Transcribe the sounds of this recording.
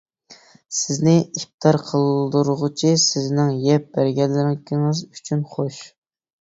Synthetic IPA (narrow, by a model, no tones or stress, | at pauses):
sɪznɪip̚t̪ʰɑɾqʰəlˠd̪uɾʁʊt͡ʃʰisɪznɪŋjɛp̚b̥æɾɡʲɛlːɪɾɪkʲʰiŋɨzyt͡ʃʰynχoʃ